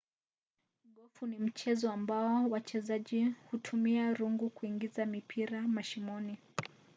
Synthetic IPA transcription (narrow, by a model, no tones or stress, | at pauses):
ɠɔfunim̩t͡ʃɛzɔambaɔwat͡ʃɛzaʄihutʰumiaɾuŋɡukuiŋɡizamipʰiɾamaʃimɔni